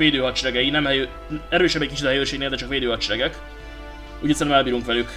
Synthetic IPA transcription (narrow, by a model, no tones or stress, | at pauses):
ʋeːd̪øːɦɒt͡ʃɾɛɡɛjinɛmhɛjø | ɛɾøːʃɛbɛɟc̚kit͡ʃit̪ɒɦɛjøːʃeːɡneːld̪ɛt͡ʃɒkʋeːd̪øːɦɒt͡ʃɛɾɛɡɛk | uɟit̪sɛnmɛlbiːɾuŋkʋɛlyk